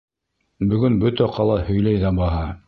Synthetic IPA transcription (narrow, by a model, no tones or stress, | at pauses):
bɵ̆ɡɵnbɵt̪æqʰɑlˠɑhɵ̆jlæjðæbɑɦɑ